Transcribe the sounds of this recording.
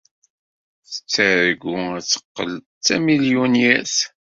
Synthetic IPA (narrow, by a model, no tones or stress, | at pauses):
θə̥t͡sːəɾəɡuæt͡sːə̥qːə̰l | t͡sːæmiljunjæθ